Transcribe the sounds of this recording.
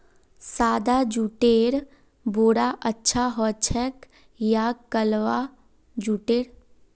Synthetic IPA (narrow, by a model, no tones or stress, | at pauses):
saːd̪ad͡ʒuːʈeːɾ | boːɽaʔətːʃʰaɦɔːt͡ʃʰɛk | jakəlʋa | d͡ʒuːʈeːɾ